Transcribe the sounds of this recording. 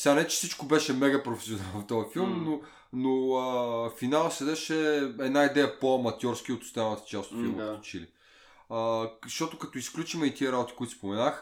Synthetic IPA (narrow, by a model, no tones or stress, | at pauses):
sɛanɛt͡ʃɛ̥sit͡ʃkobɛʃɛmɛɡɐpɾofɛ̥sionalˠvɐft̪ɔəfilˠmno | noəfinalˠsɛd̪ɛʃɛɛd̪naid̪ɛjəpoɐmɐt̪ʲjɔɾskiot̪ʊ̥st̪ɛvlnət̪ə̥t͡ʃast̪ot̪filˠməkɐt̪ot͡ʃilḭ | əʃt̪ɔt̪ʊkɐt̪oisklʲut͡ʃimɛit̪iəɾabot̪i̥koit̪spomɛnax